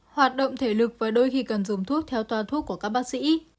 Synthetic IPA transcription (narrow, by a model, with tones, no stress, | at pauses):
hwaː˨˩t̚ɗo̰˧˨ŋ͡mt̪ʰe˧˩lɨ˨˩k̚vaː˨˩ɗo˧jxi˧kə˨˩nzʊ˨˩ŋ͡mt̪ʰu˦˥ət̚t̪ʰɛ˧wt̪waː˧t̪ʰu˦˥kːu˧˩əkaː˦˥k̚ɓaː˦˥k̚sḭ˧˥